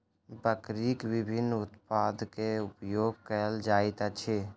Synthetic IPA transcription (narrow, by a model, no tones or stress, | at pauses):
bəkɾikwɪbʱɪnːʊt̪pad̪keʊpjoːɡ̚kəld͡ʒaːɪt̪at͡ʃʰe